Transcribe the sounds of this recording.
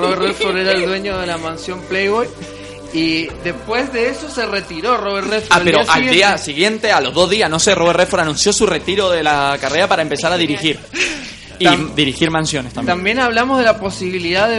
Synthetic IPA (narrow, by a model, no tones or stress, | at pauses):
roβeɾrefoɾeɾaeld̪we̞ɲoðelamãnsjo̞mplejβoj | iðe̞spwe̞zðeeso̞seret̪iɾo̞roβeɾrefoaɾpeɾoʔald̪iasiɣje̞nt̪e̞alo̞zðo̞zðianoseroβerefoɾanũnsjo̞sure̞t̪iɾo̞ðelakareɾapaɾaempe̞saɾaðiɾixiɾ | id̪iɾixiɾmãnsjo̞nest̪ambt̪ambje̞naβlamozðelapo̞siβiliðaðe